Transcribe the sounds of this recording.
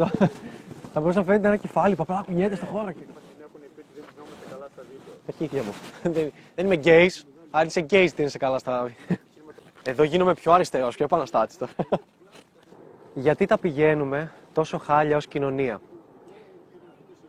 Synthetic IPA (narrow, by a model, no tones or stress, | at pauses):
ɐ | t̪ɐbo̞ɾus̬ɐnɐfenet̪eenɐce̞fɐlipuɐplɐkuɲet̪est̪oxo̞ɾɐcepɐsinekunepit̪iðeminomɐsekɐlɐst̪ɐðicoɐɾçiθçɐmuðeðenimeɟeis | ɐnseɟeizt̪iinesekɐlɐst̪ɐvi | e̞ðo̞ʝinome̞pço̞ɐɾist̪eɾo̞soepɐnɐst̪ɐt̪i̥st̪o | ʝɐt̪it̪ɐpiʝe̞nume̞t̪o̞so̞xɐʎɐo̞scino̞niɐ